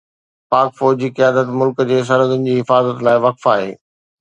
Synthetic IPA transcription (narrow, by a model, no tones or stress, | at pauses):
paːkfɔːd͡ʑiqijaːd̪ət̪mʊlkəd͡ʑeːs̬ɐɾəd̪ʊnɪ̆d͡ʑiːɦɪfaːzət̪laːɪʋɐkfaːɦḛː